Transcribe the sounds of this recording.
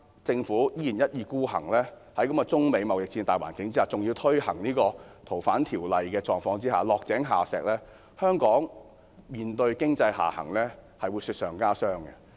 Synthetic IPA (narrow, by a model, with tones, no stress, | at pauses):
t͡sɪ˧ŋfuː˨˥jiː˥jiː˨˩njɐ˥t̚jiː˧kuː˥hɐ̰˨˩ŋlɛː˥hɐ˨˥jkɐ˨˥mkɔ˧t͡sʊ˥ŋme˨˧jmɐ˨wjɪ˨k̚t͡siː˧nt̪aː˨˩wa̰ː˨˩nkɪ˨˥ŋt͡si˥aː˨˩t͡sʊ˨ŋjiː˧wt̪ʰɵ˥ɥhɐ̰˨˩ŋniː˥kɔː˧t̪ʰo˨˩wfaː˨˥nt̪ʰiː˨˩wlɐ˨jkɛː˧t͡sɔː˧ŋfɔː˧ŋt͡siː˥haː˨lɔː˨k̚t͡sɛː˨˥ŋɦa̰ː˨sɛ̰ː˨k̚lɛː˥ | hœː˥ŋkɔː˨˥ŋ | miː˨nt̪ɵ˧ɥkɪ˥ŋt͡sɐ˧jɦa̰ː˨˩hɐ̰˨˩ŋlɛː˥hɐ˨jwu˨˧syː˧t̚sœː˨˩ŋkaː˥sœː˥ŋɡɛ˧